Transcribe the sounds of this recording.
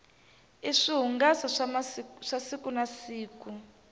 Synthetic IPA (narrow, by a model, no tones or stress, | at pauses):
iʂiɦuŋɡasaʂʂasikunasiːku